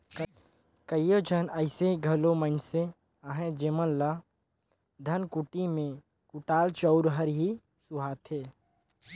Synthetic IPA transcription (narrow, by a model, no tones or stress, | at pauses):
kəjod͡ʒʱənəɪseɡʱɐlomə̃nse | aɦẽd͡ʒemənla | d̪ʱɐnkʊʈimẽ | kʊʈaːlt͡ʃɔʊɾɦəɾɦi | sʊɦaːt̪ɦeː